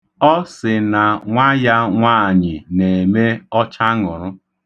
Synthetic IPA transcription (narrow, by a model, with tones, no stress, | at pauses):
ɔ˦sɪ˨na˨ŋʷa˦ja˦ŋʷaː˦˨ɲɪ˨ne˨me˦ɔ˦t͡ʃa˦ŋʊ˨ɾʊ˦